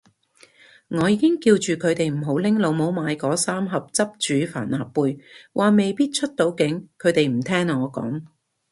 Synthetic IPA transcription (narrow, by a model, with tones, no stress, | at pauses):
ŋɔː˨˧jiː˨˧kɪ˥ŋkiː˧wt͡ʃyː˨kʰɵ˨˧ɥt̪e˨jm̩˨˩ɦo˨˥wlɪ˥ŋlo˨˧wmo˨˥wmaː˨˧jkɔː˨˥saː˥mɦɐ˨p̚t͡sɐ˥p̚t͡ʃyː˨˥fa̰ː˨˩nlaː˨˩pːuː˨˧jwʔaː˨me˨jpiː˥t̚t͡ʃʰɵ˥t̚t̪o˨˧wkɪ˨˥ŋkʰɵ˨˧ɥt̪e˨jm̩˨˩t̪ʰɛː˥ŋːɔː˨˧kɔ̰ː˨˥ŋ